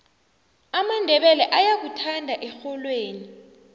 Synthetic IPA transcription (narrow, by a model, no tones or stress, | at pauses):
amandʱɛɓɛlɛʔajak̬utʰandʱaʔɛxɔlweːni